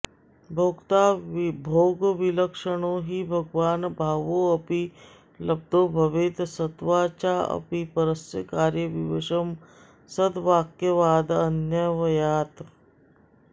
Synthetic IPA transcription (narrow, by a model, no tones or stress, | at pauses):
bʱoːɡt̪aːbʱoːɡʋiləkʂəɽ̃oɦibʱəɡʋaːnbʱaːʋoɐpi | ləb̚d̪ʱobʱɐʋet̪sət̪ʋaːt͡ʃaɐ̰pipəɾəsjəkaːɾjəʋiʋeʃəm | səd̪ʋaːkjəʋaːd̪ənjəʋɐjaːt̪